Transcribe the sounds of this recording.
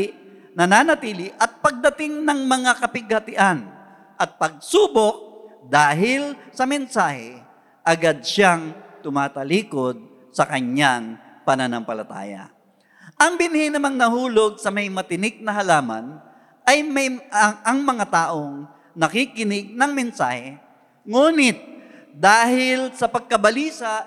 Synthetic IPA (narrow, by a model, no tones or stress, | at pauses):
nɐnaːnɐt̪iːlɪʔɐt̪̚pɐɡ̚d̪ɐt̪ɪŋnɐŋmɐŋakɐpɪɡ̚hɐt̪ɪʔan | ʔɐt̪̚pɐɡ̚suːbok̚d̪aːɦɪlsɐmɛnsaːhɛ | ʔɐɡad̪̚ʃaŋt̪ʊmaːt̪ɐliːkod̪̚ | sɐkɐɲaŋ | pɐnanɐmpɐlɐt̪a̰ːjɐ̰ | ʔɐŋbɪnhɪnɐmaŋnɐhuːloɡ̚sɐmɐjmɐt̪ɪnɪɡ̚nɐɦɐlaːmɐ̰n | ʔɐjmɐjɐŋmɐŋat̪aːʔoŋ | nɐkikɪnɪɡ̚nɐŋmɛnsaːhɛ | ŋuːnɪt̪̚ | d̪aːhɪlsɐpɐɡ̚kɐbɐliːsa